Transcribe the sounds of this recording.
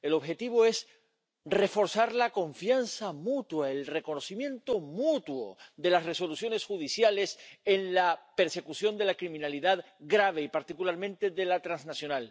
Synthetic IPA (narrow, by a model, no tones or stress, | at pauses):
e̞lo̞βxe̞t̪iβ̞o̞e̞s | re̞fo̞ɾsaɾlako̞ɱfjansamut̪waelre̞ko̞no̞simjẽ̞nt̪o̞mut̪wo̰ðe̞lasre̞so̞lusjo̞ne̞sxuð̞isjale̞se̞nlape̞ɾse̞kusjõ̞nd̪e̞lakɾimĩnaliðað | ɡɾaβ̞e̞ipaɾt̪ikulaɾmẽnt̪e̞ðe̞lat̪ɾanznasjo̞nal